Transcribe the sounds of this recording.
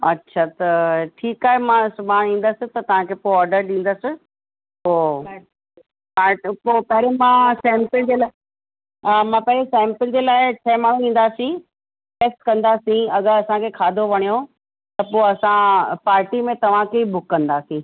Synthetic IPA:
ɐ̰tːɕʰat̪ɐʈʰiːkaːɦemãsʊbaɽ̃ĩːn̆d̪əsɪ̆t̪ɐt̪ɐʋ̤ãkʰeːpoːɔːɾɖəɾɗĩːn̆d̪əsɪ̆ | poː | paːpoːpɐɦɾemãsɛ̃ːmpɪd͡ʑeːlaː | aːmãːpɐɦɾesɛ̃ːmpɪld͡ʑeːlaːɪt͡ɕʰɐmaːɽ̤ũĩːn̆d̪aːsĩ | ʈeːsʈkɐ̃nd̪aːsĩɐɡəɾɐsãkʰeːkʰaːd̪ʱoʋɐɽ̃ijo | t̪ɐpoːɐsãpaːɾʈimẽt̪ɐʋ̤ãkʰeibʊkːɐ̃nd̪aːsĩ

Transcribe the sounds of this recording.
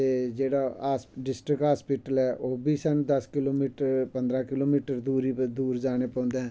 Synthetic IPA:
t̪eːd͡ʒeːɽaaːsɖɪsʈɾɪkɦaːspɪːʈəlɛːʔoːbʱiːsənd̪əskɪloːmiːʈəɾpə̃nd̪ɾãːkɪloːmiːʈəɾd̪uːɾid̪uːɾd͡ʒaːñeːpɔ̃ːnd̪eɛ̃ː

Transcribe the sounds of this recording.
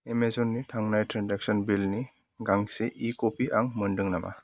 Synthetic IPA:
emezɔnːitʰaŋnajtɾandɛk̚sɔnbilni | ɡaŋseʔikopʰiʔaŋmɯndɯŋnamʔa̰

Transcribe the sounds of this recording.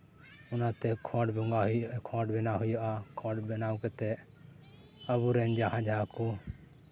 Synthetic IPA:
ʊnat̪ɛkʰɔ̃ːɖbɔŋɡaɦkʰɔɖbɛnaɦʊjaʔakʰɔɖbɛnawkɛt̪ɛ | əbuɾɛnd͡ʒaɦãd͡ʒʱaku

